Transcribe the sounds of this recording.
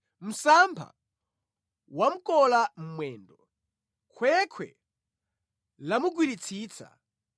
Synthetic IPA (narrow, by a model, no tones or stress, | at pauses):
m̩sampʰa̰ | wam̩kɔlam̩mwɛːndɔ | kʰwɛkʰwɛ̰ | lamuɡwiɾit͡sʰiːt͡sʰa̰